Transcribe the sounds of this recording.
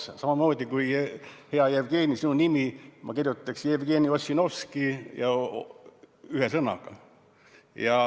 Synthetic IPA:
sɑmɑmo̞ːd̪̥ʲikujhe̞ɑjevɡ̥e̞ːnʲisinunimimʔɑ̰kirjut̪ˑːɑksjevɡ̥e̞ːnio̞sʲːino̞skijɑ | yɦesɤnɑ̰ɡ̥ɑ̰ | jɑ

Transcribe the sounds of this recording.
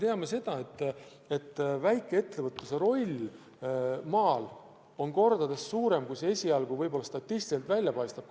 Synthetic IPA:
t̪e̞ɑme̞se̞d̪̥ɑe̞t̪ˑː | e̞t̪ːˑvæjkːˑee̞t̪ːe̞vɤt̪ːˑuse̞ɾo̞lʲ | mɑːl | o̞nko̞rd̪̥ɑd̪e̞sːuːɾe̞mkujsee̞sʲiɑlɡuvɤjb̥o̞lɑst̪ɑt̪ːˑist̪i̥selt̪vælʲjɑpɑjst̪ɑb̥̚

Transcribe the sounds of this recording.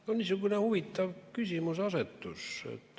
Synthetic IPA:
onisokunehuʋit̪ːɑʋkysimusɑset̪ːuso̰t̪ː

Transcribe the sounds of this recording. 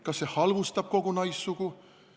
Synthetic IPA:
kɑsːehɑlvust̪ɑb̥̚ko̞ɡ̥unɑjsːuɡ̥u

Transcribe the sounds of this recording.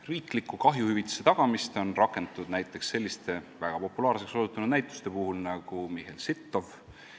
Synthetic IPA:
riːklikːˑukɑɦjuhyvit̪ːˑu̥se̞t̪ɑɡ̥ɑmist̪o̞nrɑkːˑe̞nt̪t̪ud̪̥næjt̪ːˑe̞ksːe̞lʲːist̪e̞væɡ̥ɑpo̞pːulɑːɾrse̞ksosut̪ːˑunud̪næjt̪ːˑu̥st̪e̞puhulnɑɡ̥umiɦelsit̪ˑːo̞v

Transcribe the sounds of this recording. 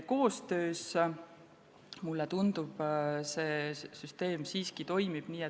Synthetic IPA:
ko̞ːst̪ø̞ːs | mulːet̪und̪̥ub̥seːsyst̪e̞ːmsiːskit̪o̞jmib̥niːe

